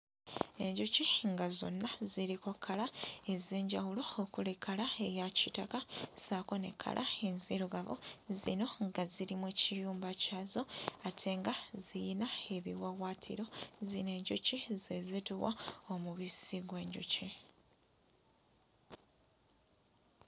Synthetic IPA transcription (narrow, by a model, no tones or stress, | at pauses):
e̞̰ɲɟuciŋɡazo̞̰nːaziɾikokʰːalae̞zeːɲɟawulo̞okulekʰalaejacitakasaːko̞ne̞̰kʰːa̰lʔa̰enziɾuɡaβo̰zḭno̞ŋɡaziɾimwecijuːmbacaːzo̞atʰe̞ːŋɡazijinae̞βḭwawaːtʰḭɾo̞zine̞ːɲɟucize̞zituwa̰omuβisiɡwe̞ːɲɟṵci